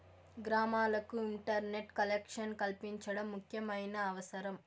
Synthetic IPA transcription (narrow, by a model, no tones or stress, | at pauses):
ɡɾaːmaːlɐkːuɪɳʈɐɾneʈkɐlekʂɐnkɐɭpɪɲt͡ʃɐɽɐmːʊkjɐmɐjnɐːʋɐsɐɾɐm